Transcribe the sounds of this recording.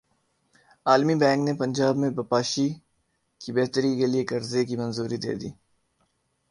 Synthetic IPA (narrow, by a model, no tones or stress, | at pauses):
aːlmibɛ̃ːŋknepɐ̃nʲd͡ʒaːbmẽbɐpaːʃi | kibeɦt̪əɾikeliekɐɾzekimɐnzuːɾid̪ḛːd̪ḭː